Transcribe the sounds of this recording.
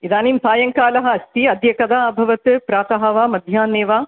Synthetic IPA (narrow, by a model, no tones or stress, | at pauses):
id̪aːniːmsaːjɐŋkaːlɐɦɐ̆ɐst̪iɐd̪jɐkɐd̪aːbʱɐʋɐt̪ɨpɾaːt̪ɐɦɐʋaːmɐd̪ʱjaːneːʋaː